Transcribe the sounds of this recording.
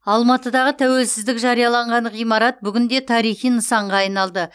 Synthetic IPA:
ɑlˠmɑt̪əd̪ɑʁət̪ʰæwe̞lsɪzd̪ɪkʒɑɾijɑlˠɑɴʁɑnʁijmɑɾɑt̪̚bʏɡʲɪnd̪e̞t̪ʰɑɾijχijnəsɑɴʁɑɑjnɑlˠd̪ə

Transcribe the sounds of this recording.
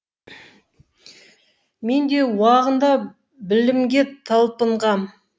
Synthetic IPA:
me̞nd̪e̞wɑʁənd̪ɑ | bɪlɪmɡʲe̞t̪ʰɑlˠpəɴʁɑm

